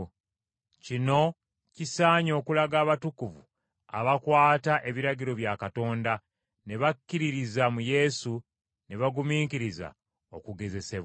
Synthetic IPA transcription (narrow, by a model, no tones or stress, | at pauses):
cino̞ | cisaːɲo̞ːkulaɡaːβatukuvṵ | a̰βakwaːtaʔe̞βiɾaɟiɾo̞βjakato̞ːnda | ne̞βakːiɾiɾizamuje̞su | ne̞βaɡumiːŋkiɾiza̰ | o̞kuɡe̞ze̞se̞βwa